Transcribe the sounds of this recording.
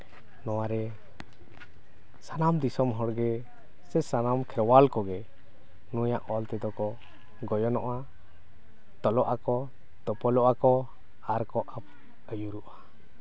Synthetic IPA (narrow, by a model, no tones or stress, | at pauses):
nɔwaɾɛ | sanamd̪isɔmɦɔɽɡɛ | sɛsanamkʰɛɾwalkɔɡɛ | nuja̰ʔɔlt̪ɛd̪ɔkɔ | ɡɔjɔnɔʔa | t̪ɔlɔʔakɔ | d̪ɔpɔlɔʔakɔ | aɾkɔʔap̚ | əjuɾuʔḁ